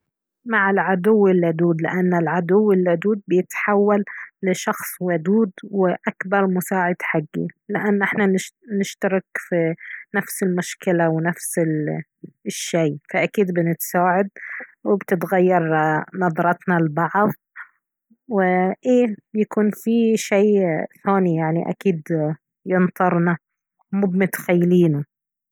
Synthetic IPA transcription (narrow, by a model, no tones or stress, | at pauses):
maʕɪlʕad̪ʊwːɪlːad̪uːd̪lɪ̰ʔanːɪlʕad̪ʊwːɪlːad̪uːd̪̚bɪjɪt̪ħawːalːɪʃɑxsˤwad̪uːd̪wɪʔakbɑɾˤmʊsaːʕɪd̪ħaɡːḭlɪʔanːʔɪħnanʃnɪʃt̪ɑɾɪkfinafsɪlmʊʃkɪlawɪnafsɪ | ʃːejfaʔakiːd̪bɪnɪt̪saːʕad̪wɪbt̪ɪt̪ɣajːɑɾˤnɑðˤɾˤɑt̪nalbɑʕðˤ | wɪʔeːbjakuːnfiʃeːθaːnijaʕniʔa̰kiːd̪ | jɪnt̪ˤɑɾˤnɑ | mʊbmʊt̪xajːliːnu